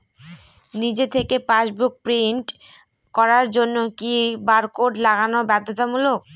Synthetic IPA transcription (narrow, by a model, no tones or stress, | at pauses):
nid͡ʑet̪ʰekepaʃbuk̚pɾiɳʈ | kɔɾaɾd͡ʑonːokibaɾkoɖlaɡanobɛd̪ʱːot̪amulok̚